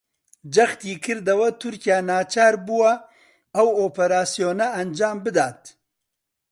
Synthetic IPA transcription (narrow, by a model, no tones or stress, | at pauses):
d͡ʒɐxt̪iːkʰɨɾd̪ɐwɐt̪ʰʊɾkijaːnaːt͡ʃaːɾbuwɐ | ɐwoːpɐɾaːsijoːnɐɐnd͡ʒaːmbɨd̪aːt̪̚